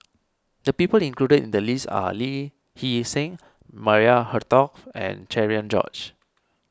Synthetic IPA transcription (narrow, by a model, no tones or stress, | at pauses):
dəpipəlĩŋkludədḭ̃ndəlisa̰li | hisẽŋ | maɹiahətɔkɛ̰̃nt͡ʃɛɹiə̃nd͡ʒɔ̰t͡ʃ